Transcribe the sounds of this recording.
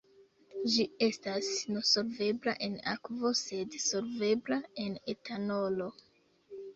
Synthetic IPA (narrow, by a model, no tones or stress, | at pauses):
d͡ʒie̞stasnoso̞lve̞blaʔe̞na̰kvo̞se̞dso̞lve̞blae̞ne̞tano̞lo̞